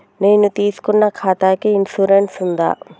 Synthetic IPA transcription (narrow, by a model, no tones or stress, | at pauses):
neːnut̪iːsu̥kunːɐkʰaːt̪aːkiinsuɾeɳʈsund̪a̰ː